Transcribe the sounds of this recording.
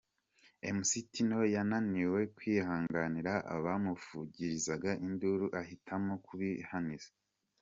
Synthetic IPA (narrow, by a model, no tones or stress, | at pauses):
emusitino̞jananiwe̞kwiːhaːŋɡaniɾaʔa̰βamufuɟiɾizaɡaʔinduɾuʔahitʰamokuβihanize